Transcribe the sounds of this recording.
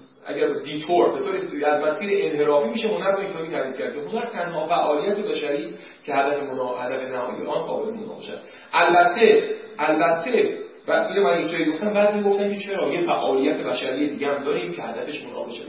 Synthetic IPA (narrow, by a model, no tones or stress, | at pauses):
ʔæ̰ɟæɾd̪iːt̪ʰoɾbe̞t̪oːɾeæzmæsiːɾeʔenɦe̞ɾɒːfiːmiːʃemonæɾbɒind͡ʒɒːmiːt̪ʰæd̪iːd̪̚cʰæɾd̪ehot̪ɒɾt̪ʰænɦɒːfæʔɒːlijæt̪ʰe̞bæʃæɾiːst̪ | cʰe̞hæd̪æfe̞monhæd̪æfe̞næhɒ̰ːjḛʔɒːnqɒ̰ːbelmonɒ̰ːbeʃæ̰s | ʔælbæt̪ʰːe̞ʔælbæt̪ʰːebæsʔiːlemænjek̚d͡ʒɒːjiɡo̞ft̪æmbæːzijɡo̞ft̪æmcʰet͡ʃʰeɾɒːjefæ̰ʔɒːlijæt̪ʰe̞bæʃæɾije̞d̪iːɟehæmd̪ɒːɾiːmcʰe̞hæd̪æfe̞ʃmonɒ̰ːɡeʃe